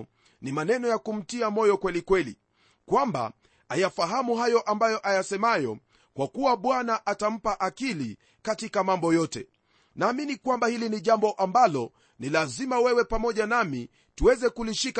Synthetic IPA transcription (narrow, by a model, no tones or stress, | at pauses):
nimanɛnɔjakum̩tiamɔjɔkwɛlikwɛlḭ | kwamba̰ | ajafaɦamuɦajɔʔambajɔʔajasɛmajɔ | kwakuwaɓwanaʔatam̩paʔakili | katikamambɔjɔtɛ | naːminikwambahiliniʄambɔʔambalɔ | nilazimawɛwɛpamɔʄanami | tuwɛzɛkuliʃik